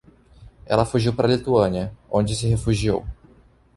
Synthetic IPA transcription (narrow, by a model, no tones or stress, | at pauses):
ɛ̰lɐfuʒiwpaɾɐlit̪uɐ̃niɐõd͡ʒɪsɪɦefuʒio̰w